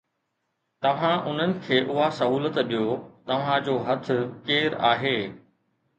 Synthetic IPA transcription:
t̪ɐʋ̤ãʔʊn̤ənɪ̆kʰeːʔʊɦasɐɦuːlət̪ɗijot̪ɐʋ̤ãd͡ʑoːɦɐt̪ʰʊ̆keːɾaːɦeː

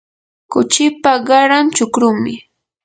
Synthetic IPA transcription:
kʊt͡ʃɪpaɢɑɾamt͡ʃʊkɾʊŋmɪ

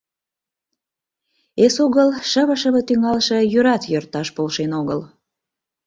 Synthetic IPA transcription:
esoɣəlʃəβə̆ʃəβə̆t̪yŋɑlʃɤ̆jøɾɑt̪jørt̪ɑʃpolʃenoɣəl

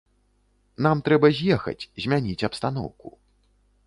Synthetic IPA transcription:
n̪amt̪ɾɛbɐzʲjɛxɐ̰t͡sʲzʲmʲanʲit͡sʲɐpst̪an̪ɔ̰wku

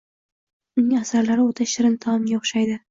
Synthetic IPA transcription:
ʊnɪŋasaɾlaɾɪot̪ʰaʃɪɾɪnt̪ʰɒmɡʲaʊχʃajd̪ɪ

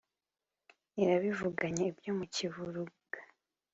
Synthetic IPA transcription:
iɾaβivuɡaɲeibjo̞muciβuɾuɡ̥ḁ

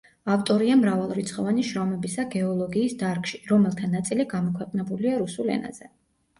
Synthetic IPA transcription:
aft̪ʼɔɾiamɾavalˠɾit̪sʰχɔvaniʃɾɔmɛbisaɡɛɔlˠɔɡiːsd̪aɾkʼʃiɾɔmɛlˠt̪ʰanat̪sʼiliɡamɔkʰwɛqʼnɛbuliaɾusulɛ̰na̰z̥ɛ

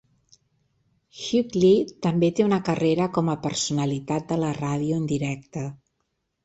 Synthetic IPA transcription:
ʃuklit̪ːəmbet̪eunəkəreɾəkɔməpəɾsunəlit̪at̪̚d̪ələraðiuənd̪iɾɛk̚t̪ə

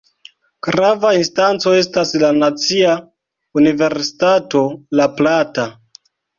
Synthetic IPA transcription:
ɡ̥ɾavainstant͡so̞e̞staslanat͡sia | unive̞ɾsi̥tato̞laplata

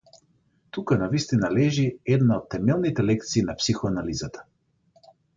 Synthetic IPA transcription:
t̪ukanavist̪inalɛʒiɛd̪naot̪ːɛmɛlˠnit̪ɛlɛkt̪siːnapsixɔanalizat̪ḁ

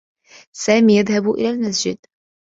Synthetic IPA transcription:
saːmiːjaðhabuʔɪ̰laːlmas̬d͡ʒɪ̰d̪̚

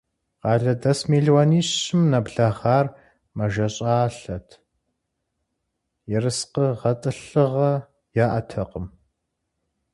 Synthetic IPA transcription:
qɑːɮɐdɐsmeːɮwaniːɕɪmnɐbɮɐχaːr | mɐʒɐɕʼaːɬɐtʰ | jɪrɨsqəʁɐtʼɨɬɨʁɐ | jaːʔɐ̰tʰɐqəm

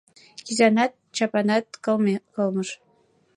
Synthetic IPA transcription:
kʲizʲɑnɑt̪̚t͡ɕɑpɑnɑt̪̚kɤ̆lˠmekɤ̆lˠmɤ̆ʃ

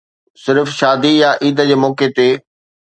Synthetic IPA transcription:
sɪɾfʃaːd̪ijaʔiːd̪əd͡ʑeːmɔːket̪eː

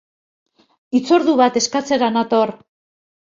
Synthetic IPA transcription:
it͡so̞ɾðuβat̪e̞skat͡se̞ɾanat̪o̞ɾ

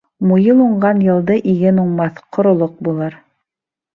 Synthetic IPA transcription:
mujɤlˠuɴɢɑnjɤ̆lˠd̪ɤʔiɡɘnuɴmɑθqʰŏɾŏlˠoq̚bulˠɤɾ

